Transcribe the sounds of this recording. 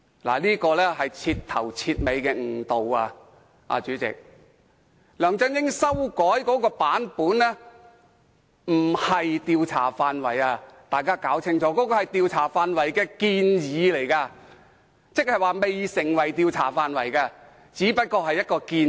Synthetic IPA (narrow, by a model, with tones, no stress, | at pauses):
la̰ː˨˩liː˥kɔː˧lɛː˥ɦɐ˨jt͡sʰiː˧tt̪ʰɐ̰˨˩wt͡sʰiː˧t̚me˨˧jkɛː˧ŋ̩˨˩t̪o˨waː˧ | ʔa̰ː˨˧t͡ʃyː˨˥t͡sɪ̰˨k̚ | lœː˨ŋt͡sɐ˥ŋjɪ˥ŋsɐ˥wkɔː˨˥jkɔː˨˧˥kɔː˧paː˨˥npuː˨˥nlɛː˥ | m̩˨˩hɐ˨jt̪iː˧wt͡sʰa̰ː˨˩faː˨˧nwɐ˨˩jaː˧t̪aː˨jkaː˥kaː˨˥wt͡sʰɪ˥ŋt͡sɔː˨˥kɔː˨˥kɔː˧hɐ˨jt̪iː˧wt͡sʰaː˨˩faː˧nwɐ˨˩jkɛː˧kiː˧njiː˨˧le˨˩jkaː˧ | t͡sɪ˥k̚hɐ˨jwaː˨˩me˨jsɪ˨˩ŋwɐ˨˩jt̪iː˧wt͡sʰaː˨˩faː˨˧nwɐ˨˩jkaː˧ | t͡siː˨˥pɐ˥t̚kɔː˧ɦɐ˨jːɐ˥t̚kɔː˧kiː˧n